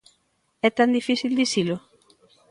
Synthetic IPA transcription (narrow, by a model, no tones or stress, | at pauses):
ɛt̪and̪ifiθild̪isilʊ